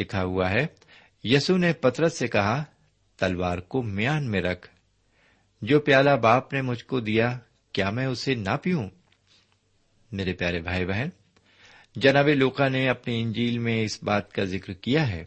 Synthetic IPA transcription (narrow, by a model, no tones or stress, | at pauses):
lɪkʰaɦʊaɦɛː | jɐsunepɐt̪ɾəsːekɐɦa | t̪ɐlʋaːɾkomɪjaːnmẽɾɐkʰ | d͡ʒoːpjaːlabaːpnemʊd͡ʒʱkod̪ija | kjaːmɛ̃ʊsenɐpijũ | meːɾepjaːɾebʱaːibɛɦən | d͡ʒɐnaːbeloːqaneɐpniɪ̃ɲd͡ʒiːlmẽɪsbaːt̪kazɪkɾkijaɦɛ̰ː